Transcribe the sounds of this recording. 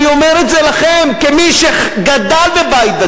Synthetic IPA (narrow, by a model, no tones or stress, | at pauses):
iomeʁetzelaχemkemiʃeχɡad̪albebajt̪̚ba